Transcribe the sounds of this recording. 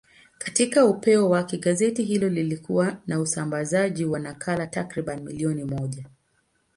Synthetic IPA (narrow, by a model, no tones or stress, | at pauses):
katikaupɛɔwakɛɠazɛtiɦilɔlilikuwanausambazaʄiwanakʰalatakɾiɓanimḭliɔnimɔʄa